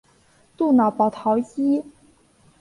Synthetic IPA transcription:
t̪u˥˩nɑ˨˩ʊpɑ˨˩ʊt̪ʰɑ˧˥ʊt͡ɕi˥

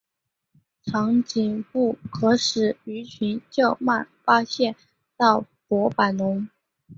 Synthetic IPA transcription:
ʈ͡ʂʰɑ˧˥ŋt͡ɕi˨˩npu˥˩kʰɤ˧˥ʂɻ̩˨˩y˧˥t͡ɕʰy˧˥nt͡ɕjɑ˥˩ʊma˥˩nfa˥ɕjɛ˥˧n | t̪ɑ˥˩ʊ | pwɔ˧˥pa˨˩ɪnʊ˧˥ŋ

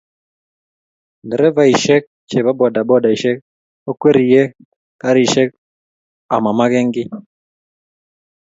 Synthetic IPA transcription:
ndɛ˨ɾɛ˦va˨i˨ʃɛ˦k̚ | t͡ʃɛ˨βa˦bɔ˨da˨bɔ˦da˨i˨ʃɛ˦k̚ | ɔ˦kwɛ˦ɾi˨jɛ˦ | ka˦ɾi˨ʃɛ˦k̚ | a̰˨ma˨ma˦ɣɛ˦ŋɡi˦

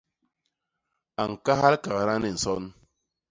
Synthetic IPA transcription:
a˨ŋ̩˨ka˦ha˦lka˨ka˨na˦ne˦˨n̩˨sɔ˦n

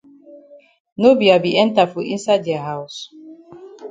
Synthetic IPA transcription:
no˦bi˨a˨bi˨ʔɛ˦n˦ta˨fo˨ʔi˦nsa˦ɪdja˨ɦa˦ʊ˨s

